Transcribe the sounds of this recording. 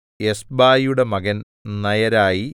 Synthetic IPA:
esbaːjuɽe̞mɐɣɐn | nɐjɐɾaːji

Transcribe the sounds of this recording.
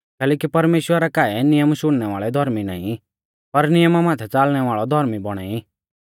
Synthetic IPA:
kɛːlɛːkipɐɾmeːʃwəɾakaːɛnɪjəmʃʊɽ̃nɛʋa̰ːɭɛd̪ʱɔɾmina̰ːĩ | pɐɾnɪjəmamaːt̪ʰɛt͡saːlɽ̃ɛʋaːɭɔd̪ʱɔɾmibɔɽ̃a̰ːi

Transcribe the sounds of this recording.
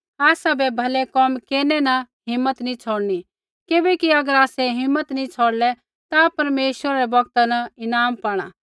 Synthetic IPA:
aːsabɛbʱɐlɛkɔmkeːɾnɛnɐ | ɦɪ̃mːət̪nĩt͡sʰoːɽni | kɪbɛkiɐɡəɾaːsɛɦɪ̃mːət̪nĩt͡sʰoːɽlɛ | t̪apɐɾmeːʃwəɾaɾɛbɐɡ̚t̪anɐɪnaːmpaːɽ̃a̰ː

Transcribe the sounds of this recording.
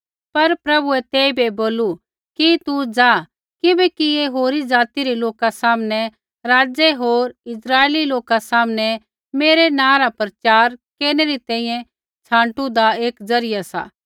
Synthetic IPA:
pɐɾpɾɐbuɛt̪eːibeboːlu | kit̪ud͡zaː | kɪbɛkieɦoːɾid͡zaːt̪iɾiloːkasaːmnɛ | ɾaːd͡ʒeɦoːɾɪsɾaːeːliloːkasaːmnɛ | meːɾenãːɾapɾɐt͡ʃaːɾkeːneɾit̪ɛ̃ːĩjɛ̃ | t͡ʃʰãːɳʈud̪aeːkd͡zɐɾɪjasa̰ː

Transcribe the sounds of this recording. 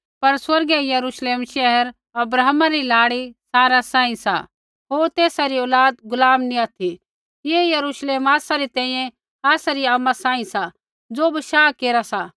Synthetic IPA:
pɐɾswɐɾɡɛjɐɾuːʃleːmʃɛɦəɾ | ɐbɾaːɦmaɾilaːɽisaːɾasãːĩsa̰ | ɦoːɾt̪eːsaɾiɔːlaːd̪̚ɡʊlaːmniaːt̪ʰi | jejɐɾuːʃleːmaːsaɾit̪ɛ̃ːĩjɛ̃ | aːsaɾiamasãːĩsa | d͡zoːbiʃaːkeːɾasa

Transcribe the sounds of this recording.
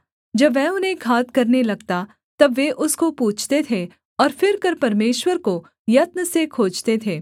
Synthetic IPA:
d͡ʒɐbʋɛʊnɦẽkʰaːt̪kɐɾnelɐɡt̪a | t̪ɐbʋeʔʊskopuːt͡ʃʰt̪et̪ʰe | ɔːɾfɪɾkɐɾpɐɾmeːʃwəɾko | jɐt̪̚nəsekʰoːd͡ʒt̪et̪ʰeː

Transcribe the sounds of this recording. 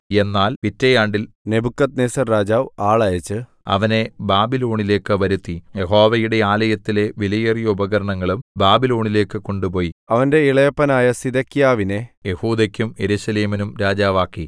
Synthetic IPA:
e̞nːaːlpitːejaːɳɖilne̞bukːɐt̪̚neːsɐrɾaːd͡ʑaːʋaːɭaːjɐt͡ɕːɨ | ɐ̰ʋɐne̞baːbilo̞ːɳile̞ːkːɨʋɐɾut̪ːijeɦo̞ːʋɐjuɽe̞aːlɐjɐt̪ːile̞ʋilɐjerijɐubɐɣɐɾɐɳɐŋːɐɭumbaːbilo̞ːɳile̞ːkːɨko̞ɳɖupo̞ːjiɐʋɐnde̞iɭɐjɐpːɐnaːjɐsid̪ɐkːijaːʋineje̞huːd̪ɐkʲːume̞ɾuɕɐleːminumɾaːd͡ʑaːʋaːkːi

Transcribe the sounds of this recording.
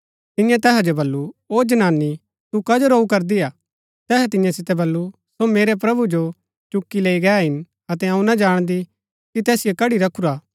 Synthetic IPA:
t̪ɪ̃jãt̪ɛːɦad͡ʒobɐlːuoːd͡ʒɐnaːnːi | t̪ukɐd͡ʒəɾoːukɐɾd̪iaː | t̪ɛːɦɛt̪̬ɪjãsɪt̪ɛbɐlːu | someːɾɛp̬ɾɐbud͡ʒo | t͡ʃʊkːileːiɡɛːɦɪn | ɐt̪ɛɐ̃ũnɐd͡ʒaːɽ̃d̪i | kit̪ɛːsɪjokɐɽiɾɐkʰuɾaː

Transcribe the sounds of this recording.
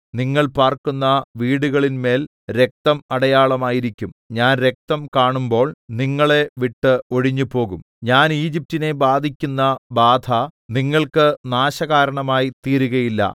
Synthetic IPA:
niŋːɐɭpaːrkunːɐʋiːɽuɣɐɭinme̞ːl | ɾe̞k̚t̪ɐmɐɽɐjaːɭɐmaːjiɾikʲːumɲaːnɾe̞k̚t̪ɐmkaːɳumbo̞ːɭniŋːɐɭe̞ʋiʈːɨo̞ɽiɲːupo̞ːɣum | ɲaːniːd͡ʑip̚tine̞baːd̪ʱikʲːunːɐbaːd̪ʱʰɐniŋːɐɭkɨnaːɕɐɣaːɾɐɳɐmaːjit̪iːɾuɣɐjilːɐ̰

